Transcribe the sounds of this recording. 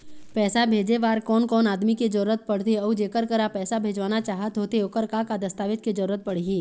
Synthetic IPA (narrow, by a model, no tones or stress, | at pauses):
pɛːsabʱeːd͡ʒeʋaːɾkɔːnkɔːnaːd̪miked͡ʒɐɾuɾət̪̚pɐɽt̪eɔːd͡ʒeːkəɾkəɾapɛːsabʱeːd͡ʒʋaːnat͡ʃaːɦət̪ɦoːt̪eoːkəɾkakad̪ɐst̪aːʋɪd͡ʒked͡ʒɐɾuːɾət̪̚pɐɽ̤iɡiː